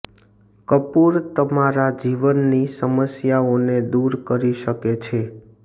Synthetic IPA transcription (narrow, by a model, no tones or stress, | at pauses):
kəpuɾt̪əmaɾad͡ʒiʋənːisəməsjaoned̪uɾkəɾiʃəket͡ʃʰe